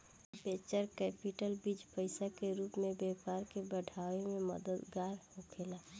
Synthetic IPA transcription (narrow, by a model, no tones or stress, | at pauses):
beːt͡ʃəɾkɛpiʈəlbid͡ʒpəɪsakeɾuːpmẽbɛːpaːɾkebəɖʱaːwemẽmə̰d̪əd̪ɡaːɾhokʰela